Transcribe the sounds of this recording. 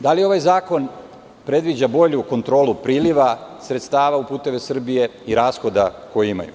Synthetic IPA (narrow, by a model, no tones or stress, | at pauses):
d̪alio̞ʋajzaːko̞n | pɾe̞d̪ʋid͡ʑabo̞ʎuko̞nt̪ɾo̞ːlupɾiːliʋasɾet̪st̪aːʋaupuːt̪e̞ʋe̞sr̩bije̞iɾaːsxo̞d̪ako̞jiima̰jṵ